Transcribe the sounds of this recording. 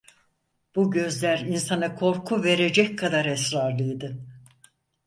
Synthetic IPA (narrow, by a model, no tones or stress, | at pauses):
b̥uɟø̞zlʲæɾinsanakʰo̞ɾkʰuve̞ɾe̞d͡ʒɛckʰad̪aɾɛsɾaɾlˠɯjd̪ɯ